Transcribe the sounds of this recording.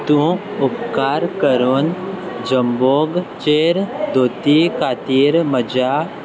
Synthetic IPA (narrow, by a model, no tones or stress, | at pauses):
t̪ũʊpkaːɾkəɾoːnd͡ʒəmboːɡt͡ʃeːɾd̪oːt̪ikʰaːt̪iːɾməd͡ʒaː